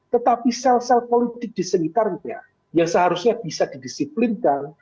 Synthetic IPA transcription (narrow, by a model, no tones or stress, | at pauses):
t̪ət̪apisɛlsɛlpolit̪ɪk̚d̥isəŋit̪arɲa̰ | jaŋsəɦaɾusɲab̥isad̥idisiplinkan